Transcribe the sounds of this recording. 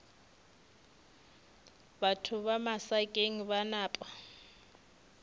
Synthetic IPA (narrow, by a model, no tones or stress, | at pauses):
batʰuβamasakʼeŋiβanaːpʼa